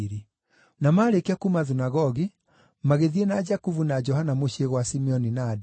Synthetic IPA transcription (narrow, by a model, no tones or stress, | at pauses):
ɾi | namaːɾekeakumaðunaɣɔɣi | maɣeðienad͡ʒakuvunad͡ʒɔhanamoɕeɣwasimɛɔninadɛ